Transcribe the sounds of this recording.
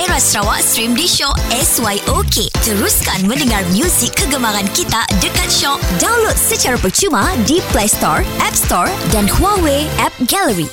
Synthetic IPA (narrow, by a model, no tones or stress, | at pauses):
ɛɾast̪ɾawaʔsɾimdiʃɔʔɛswajʔoket̪əɾuskanmə̃ndəŋarmjũsɪkːəɡəmaɾankit̪adəkat̪̚ʃɔʔdãw̃nlot̪̚sət͡ʃaɾapərt͡ʃumãdiplajst̪ɔ̰ɹɛp̚st̪ɔɹdanhuaweɛp̚ɡɛləɹi